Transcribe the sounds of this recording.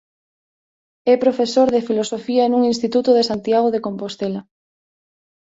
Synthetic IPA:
ɛpɾofesoɾðefilosofiɐenuŋinst̪it̪ut̪oð̞esant̪jaɣ̞oðekompost̪ela

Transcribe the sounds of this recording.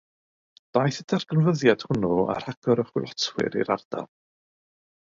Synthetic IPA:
d̥ajθətʰarɡənvəðjad̥hʊnua̰ɾ̥haɡ̥ɔɾəχwɪlˠɔtʰwɪ̰ɾḭɾard̥a̰l

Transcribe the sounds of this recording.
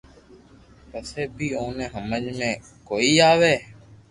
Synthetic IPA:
pəseːbʱiːõːnẽːɦəməd͡ʒmẽː | koːiːaːʋeː

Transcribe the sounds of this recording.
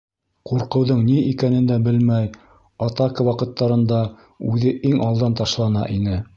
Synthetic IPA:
quɾqɤ̆wðɤɴniikænɘ̆nd̪æbɘlmæj | ɑt̪ɑkɤwɑqɤ̆t̪ːɑɾɤ̆nd̪ɑ | ʉðɘʔiŋɑlˠd̪ɑnt̪ɑʃlˠɑnɑ̰ʔinɘ

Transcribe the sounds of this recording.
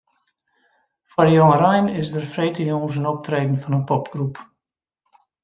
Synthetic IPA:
fɔrəjoŋəɾɛjnɪsdərfreːtəjoŋs̬ənɔp̚treːdn̩fɔnənpɔpɡ̥rup

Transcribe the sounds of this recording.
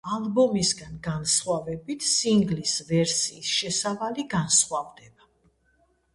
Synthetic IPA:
alˠbɔmisɡanɡansχwavɛbit̪ʰsiŋɡlisvɛɾsiːsʃɛsavaliɡansχwavd̪ɛba

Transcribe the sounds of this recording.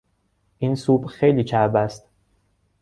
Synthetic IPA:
ʔinsuːbxejliːt͡ʃʰæɾbæst̪

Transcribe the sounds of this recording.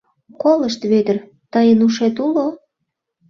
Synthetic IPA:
koləʃt̪βed̪ə̆r | t̪əjənuʃet̪ulo

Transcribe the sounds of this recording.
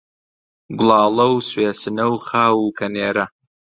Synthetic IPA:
ɡʷʊlˠɑːlɐwsweːsɨnɐwχaːwukʰɐneːɾɐ

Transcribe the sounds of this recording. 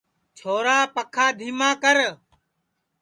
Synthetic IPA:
t͡ʃʰoːɾaːpəkʰaːd̪ʱiːmãːkəɾ

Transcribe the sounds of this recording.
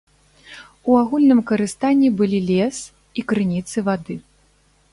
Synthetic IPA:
uaɣulʲnɨmkɐɾɨst̪anʲːibɨlʲilʲɛs | ikɾɨnʲit̪sɨvad̪ɨ

